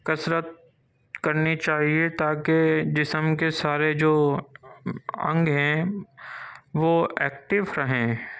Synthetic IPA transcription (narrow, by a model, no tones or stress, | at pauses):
kɐsɾət̪̚ | kɐɾnit͡ʃaːɦiet̪aːked͡ʒɪsəmkesaːɾed͡ʒoː | ɐ̰̃ŋɡɦɛ̃ | ʋoːɛːkʈɪʋɾɐɦẽː